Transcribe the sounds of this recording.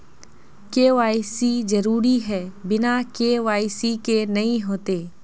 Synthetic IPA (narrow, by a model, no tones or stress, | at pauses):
keːʋaːisizɐɾuːɾiɦɛːbɪnakeːʋaːisikenɐĩɦoːt̪eː